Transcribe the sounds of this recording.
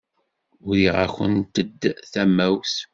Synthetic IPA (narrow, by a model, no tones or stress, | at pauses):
ʊɾiʁa̰çə̰nt̪əd̪ːθæmːæws